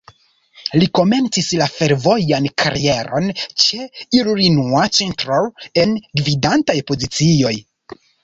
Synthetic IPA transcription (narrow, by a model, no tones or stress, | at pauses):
liko̞me̞nt͡sislafe̞ɾvo̞jankʰa̰ɾie̞ɾo̞̰nt͡ʃe̞iɾuɾinuat͡ʃentɾoe̞nɡvidantajpo̞zit͡sio̞j